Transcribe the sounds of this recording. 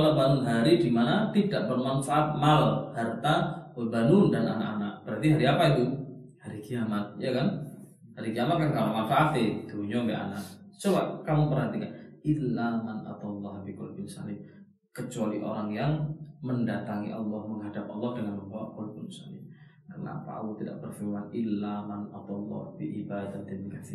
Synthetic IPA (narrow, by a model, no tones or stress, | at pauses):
alabanʊnɦaɾidimanat̪idaʔ̚bərmanfaʔat̪̚malahart̪albanʊndana̰na̰ʔanakb̥əɾat̪iɦaɾiapait̪u | haɾikiamat̪̚jakan | haɾikiamat̪̚kankamamanfaʔat̪ɪt̪uuɲompɛʔa̰na̰ʔt͡ʃobaʔkamupərɦat̪ikanʔilːamana̰t̪ɑlˠːɑhbikɔlbɪnsa̰lɪm | kət͡ʃualiʔo̰ɾaŋjaŋməndat̪aŋḭʔɑ̰lːɑhməŋɦadap̚ɑlˠːɑhdəŋanməmbawa̰ʔkɔlbɪnsa̰lɪ̰m | kana̰pa̰a̰lːɔt̪ida̰ʔbərfilmanɪlːamanat̪ɑlˠˤːɑ̰hbiʔibad̪at̪ɛnikasi